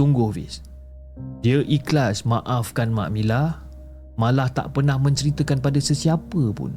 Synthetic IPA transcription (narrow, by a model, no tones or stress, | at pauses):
suŋɡʊhvɪ̰s | diəʔiklasmãʔafkanma̰ʔmilah | mãlaht̪a̰ʔpərnahmə̃ɲt͡ʃəɾit̪əkanpadasəsiapəpʊ̰n